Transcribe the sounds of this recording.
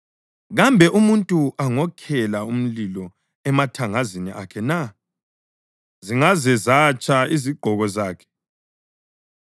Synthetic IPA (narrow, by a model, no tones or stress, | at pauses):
ɣambʱɛʔumuntʼuʔaŋɔkʰɛlaum̩lilɔ | ɛmatʰaŋaziniʔa̰kʰɛna | ziŋazɛzat͡ʃʼaiziɡ͡ǃʱɔɣɔzaːkʰɛ̥